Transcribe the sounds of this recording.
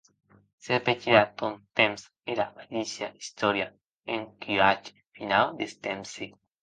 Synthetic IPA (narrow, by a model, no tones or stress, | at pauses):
sepet͡ʃiɾat̪ont̪ẽms | eɾamalisjaist̪oɾja | eŋkiat͡ʃ | finald̪est̪emsi